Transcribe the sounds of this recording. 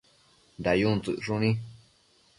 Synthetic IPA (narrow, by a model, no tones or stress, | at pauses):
nd̪ajũnt͡sɨʂunĩ